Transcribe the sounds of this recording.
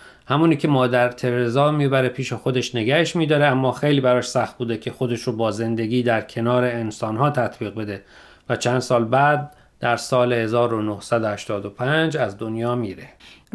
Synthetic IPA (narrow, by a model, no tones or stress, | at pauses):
hæmuːniːcʲʰemɒːd̪æɾt̪ʰe̞ɾezɒːmiːbæɾepʰiːʃexo̞d̪e̞ʃneɡæheʃmiːd̪ɒːɾeæmːɒːxejliːbæɾɒːʃsæxt̪̚buːd̪ecʲʰe̞xod̪e̞ʃɾobɒːze̞nd̪e̞ɡʲiːd̪æɾcʰe̞nɒːɾe̞ːnsɒːnɦɒːt̪ʰæt̪ʰbiːɣbe̞d̪e̞ | væt͡ʃʰænd̪sɒːlbæd̪̚ | d̪æɾsɒːlehe̞zɒːɾonohsæd̪ohæʃt̪ɒːd̪opʰænd͡ʒæzd̪onjɒːmiːɾe